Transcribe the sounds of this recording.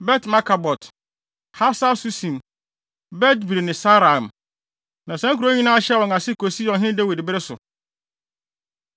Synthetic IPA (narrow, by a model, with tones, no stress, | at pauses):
bɛ˦tma˦kʰa˨bɔ˨t | ha˦sa˦su˦sĩ˨m | bɛ˦tbi˨ɾi˨nɪ̃˨sa˦ɾã˨m | nã˨sɛ̃˦ŋ˦kʰu˨ɾo˦ɲĩ˦nã˦ɕɛ˦˨wɔ̃˨ŋa˨sɪ˦ko˨si˦jɔ̃˨ɦɪ̃˦dɛ˦we˨dɪ˨bɪ˦ɾɪ˦sʊ̰˨